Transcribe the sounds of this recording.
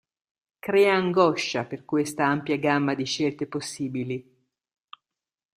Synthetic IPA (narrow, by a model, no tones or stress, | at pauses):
kɾɛːaːŋɡɔʃaperkwest̪aampjaɡamːad̪iʃelt̪eposːiːbili